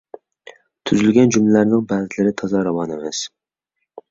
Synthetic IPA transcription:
t̪ʰʊzɪlɡʲand͡ʒʊmllaɾnɪŋbazɪlɪɾɪt̪ʰɒzɑɾɑvɑnemas

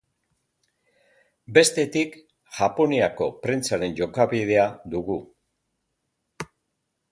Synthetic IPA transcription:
be̞st̪e̞t̪ik | ʝ̥apo̞niako̞pɾe̞nt͡saɾe̞nʝo̞kaβið̞e̞ad̪uɣu

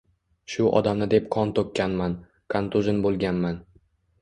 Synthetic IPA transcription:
ʃʊʔɒ̰d̪amnɪd̪e̞pqʰɒnt̪ʰokʲːanman | kʰant̪uʒɪnbolˠɡʲanman

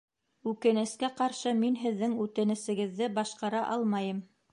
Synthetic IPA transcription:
ʉkɘ̆nɘ̆skæqɑɾʃɤminɦɘ̆ðːɘŋʉt̪ɘ̆nɘ̆sɘ̆ɡɘ̆ðːɘbɑʃqɑɾɑʔɑlˠmɑjɤm

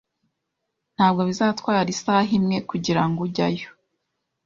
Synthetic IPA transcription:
n̥haːbɡo̞βizaːtwaːɾisaːɦimŋe̞kuɟiɾaŋɡuɟa̰jo̥

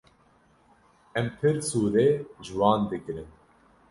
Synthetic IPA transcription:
ɛmpʰɨɾsuːɾeʒɨwɑːnd̪ɨkɾɨn

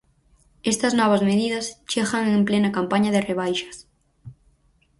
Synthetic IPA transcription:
est̪ɐznɔβ̞ɐzmeðiðɐst͡ʃeɣaŋemplenakampaɲɐðereβ̞ajʃɐ̥s

